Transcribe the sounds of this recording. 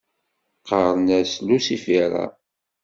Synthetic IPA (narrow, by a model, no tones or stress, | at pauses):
qəɾˤnæslusifiɾˤɑ̰